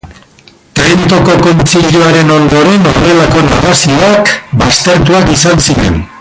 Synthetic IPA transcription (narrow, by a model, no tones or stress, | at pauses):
t̪ent̪o̞ko̞ko̞nt͡ʃiʎoaɾe̞no̞nd̪o̞ɾe̞no̰ðe̞lako̞naɣasiakbast̪e̞ɾt̪uakisansiɾe̞̰n